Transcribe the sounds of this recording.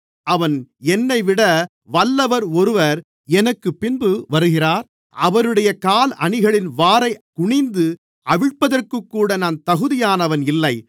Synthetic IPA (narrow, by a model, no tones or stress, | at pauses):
ɐʋɐnɛnːɐɪʋɪɽɐ | ʋɐlːɐʋɐɾɔɾɯʋɐɾ | ɛnɐkːɯpːɪnbɯʋɐɾɯɣɪraːɾ | ʔɐʋɐɾɯɽɐjɐkaːlɐ̰ɳɪɣɐɭɪnʋaːɾɐɪkʊɳɪnd̪ɯ | ɐʋɪɻpːɐðɐrkɯkːuːɽɐnaːnt̪ɐɣɯðɪjaːnɐʋɐnɪlːɐɪ